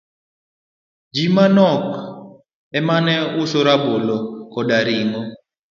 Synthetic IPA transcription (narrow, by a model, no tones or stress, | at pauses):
d͡ʒimanɔk | ɛmanɛusoɾabolɔkɔdaɾiŋɔ